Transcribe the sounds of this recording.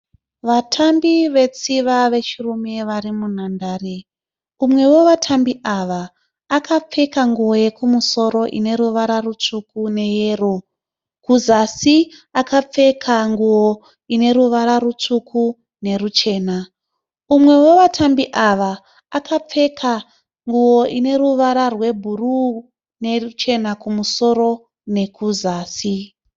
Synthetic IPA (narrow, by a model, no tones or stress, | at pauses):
ʋatʰambiʋe̞t͡siʋaʋe̞t͡ʃirume̞ʋaɾimun̤andaːre | umwe̞wo̞ʋatʰambiʔaʋaː | kʰap͡fe̞kaŋɡuwoje̞kumuso̞ɾo̞ʔḭne̞ɾuʋaɾarut͡ʂukune̞je̞ːro | kuzasiakap͡fe̞kʰaŋɡuwo | ine̞ɾuʋaɾarut͡ʂukʰu | ne̞rut͡ʃe̞ːna | umwe̞woʋatʰambiʔaʋaː | kap͡fe̞kʰa | ŋɡuwo̞ʔine̞ruʋaɾarwe̞bʱuru | nerut͡ʃe̞nakumuso̞ɾo̞ | ne̞kuzaːsi